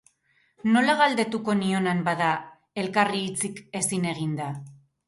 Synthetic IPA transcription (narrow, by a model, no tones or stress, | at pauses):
no̞laɣald̪e̞t̪uko̞nio̞nambaða | e̞lkariːt͡sike̞sine̞ɣ̞ind̪a